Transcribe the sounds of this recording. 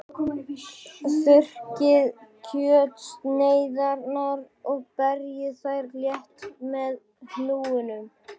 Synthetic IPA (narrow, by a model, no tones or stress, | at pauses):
θʏr̥cɪðcʰœːt̪sneːjðaɾnaɾ | ɔɣpɛɾjɪθajɾljɛht̪mɛð | hnuːʏnʏm